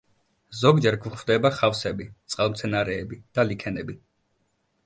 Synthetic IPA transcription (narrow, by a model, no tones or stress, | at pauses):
zɔɡd͡ʒɛɾɡuχvd̪ɛbaχafsɛbit̪sʼqʼalˠmt̪sʰɛnaɾɛːbid̪̥alikʰɛnɛbi